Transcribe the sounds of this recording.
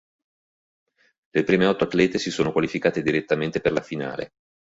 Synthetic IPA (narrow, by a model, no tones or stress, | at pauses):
lepɾiːmeɔt̪ːoat̪ːlɛːt̪esisoːnokwalifikaːt̪ed̪iɾet̪ːament̪eperlafina̰ːlḛ